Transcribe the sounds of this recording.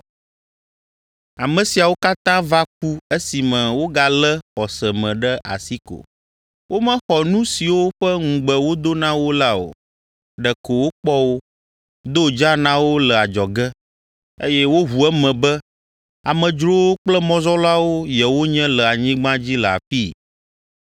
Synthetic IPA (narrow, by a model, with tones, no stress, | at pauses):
a˨mə̃˨si˨a˨wo˦ka˦t̪ã˦va˦k̚u˦e˦si˨mɛ̃˨wo˦ɡa˨lə˦xɔ˨sə˨mɛ̃˨ɖɛ˦ʔa̰˨si˦ko̰˨ | wʔo˦mɛ̃˦xɔ˨nũ˦si˨wo˦ɸə˦ŋũ˨ɡ͡bə˨wo˦d̪o˦nã˦wo˦la˦o̰˨ | ɖɛ˨ko˨wo˦k͡pɔ˦wo˦ | d̪o˦d͡ʒa˦nã˦wo˦lə˨a˨d͡ʒɔ˨ɡɛ˦ | e˦jɛ˦wo˦ɦu˨ɛ˦mɛ̃˨bɛ˦ | a˨mɛ̃˨d͡ʒɾo˦wo˦k͡plɛ˦mɔ̃˨zɔ˦la˦wo˦jɛ˨wo˦ɲɛ̃˦lə˨a˨ɲĩ˦ɡ͡bã˦d͡ʑi˦lə˨a̰˨fi˦